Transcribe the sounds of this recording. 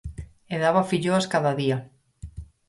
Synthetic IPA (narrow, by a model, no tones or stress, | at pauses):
eðaβafiʎoaskaðaðia